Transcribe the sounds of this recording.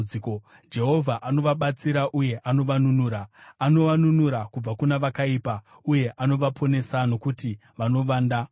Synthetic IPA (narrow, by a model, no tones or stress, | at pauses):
ko | d͡ʒe̞ɦo̞vʱaʔano̞ʋaɓat͡siɾaʔuje̞ʔano̞ʋanunuːɾaːno̞ʋanunuɾakub͡vakunaʋakaipa | uje̞ʔano̞ʋapʰo̞ne̞sano̞kuti | ʋano̞ʋaːnda